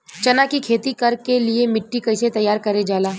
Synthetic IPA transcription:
t͡ʃɐnakikʰeːt̪ikɐɾkeliemɪʈːikɐɪset̪ɐjaːɾkɐɾed͡ʒaːlaː

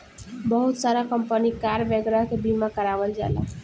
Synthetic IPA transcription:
bəɦut̪saɾakəmpənikaɾʋeɡɾaɦkebimakəɾaʋəld͡ʒa̰la̰

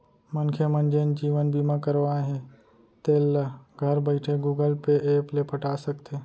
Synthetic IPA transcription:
mənkʰemənd͡ʒend͡ʒiːʋənbimãkəɾʋaːẽɦẽ | t̪eːlːəɡʱəɾbəɪʈʰeɡuːɡəlpeʔeːplepəʈaːsəkt̪e

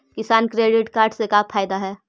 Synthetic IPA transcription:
kɪsaːnkɾeːɖɪʈkaːɾɖsekaːfʰaːjd̪aɦɛː

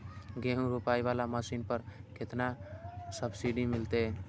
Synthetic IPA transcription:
ɡeɦũɾupajβalamasinpəɾket̪nasəbsiɖimilt̪e

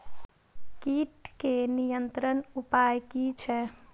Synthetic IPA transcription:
kiːʈkenijənt̪ɾənupajkit͡ʃʰɛ

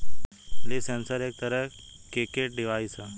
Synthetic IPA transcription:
lisɛnsəɾek̚t̪əɾə | kekeʈ̚ɖiʋajsa

